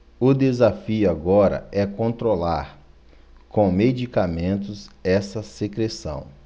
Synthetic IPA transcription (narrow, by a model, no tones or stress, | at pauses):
ʊd̪ezafiʊaɡɔɾɐ̰ʔɛkõnt̪ɾolaɾ | kõw̃med͡ʒikamẽnt̪ʊzɛsɐsekɾesɐ̰̃w̃